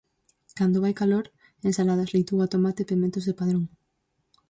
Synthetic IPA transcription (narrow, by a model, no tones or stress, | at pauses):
kand̪oβajkaloɾ | ensalað̞ɐslejt̪uat̪omat̪epimẽnt̪ʊzðepaðɾoŋ